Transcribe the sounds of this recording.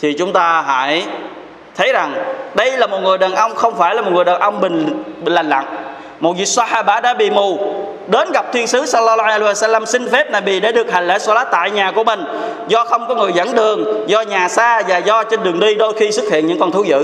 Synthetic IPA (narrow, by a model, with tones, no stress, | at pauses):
t̪ʰi˨˩t͡ɕʊ˨˦ŋ͡mt̪aː˧ɦa̰ː˧˦j | t̪ʰə˨˦jza˨˩ŋɗə˧jlaː˨˩mo˨˩t̚ŋɨ˨˩əjɗəː˨˩nʔə˧wŋ͡mxə˧wŋ͡mfaː˧˩jlaː˨˩o˨˩ŋɨ˨˩jɗəː˨˩nʔə˧wŋ͡mɓï˨˩ŋ̟˨la˨˩ŋ̟la̰˧˨ŋ | mo˨˩t̚zi˨˩k̚sa˧ħaː˧ɓaː˧˩ɗa̰ː˧˥ɓḭ˧˨mu˨˩ | ɗe˨˦nɣa˨˩p̚t̪ʰwi˧nsɨ˨˦slːɔ˧lɔ˧wa˧sa˧lːa˧msï˧ŋfe˦˥p̚naː˨˩ɓi˨˩ɗe˧˩˦ɗɨ˨˩ək̚ha˨˩ŋlḛː˧˥˦sɔ˧laː˦˥t̪a̰ː˧˨jɲaː˨˩ku˧˩əmï˨˩ŋ̟ | zɔ˧xə˧wŋ͡mkɔ˨˦ŋɨ˨˩əjzə̰˧˥nɗɨ˨˩əŋzɔ˧ɲaː˨˩saː˧vaː˨˩zɔ˧t͡ɕe˧nɗɨ˨˩əŋɗi˧ɗo˧jxi˧sɨ˦˥k̚hḭ˧˨ənɲɨ̰˧˥ŋkɔ˨˩nt̪ʰu˨˦zɨ̰˧˨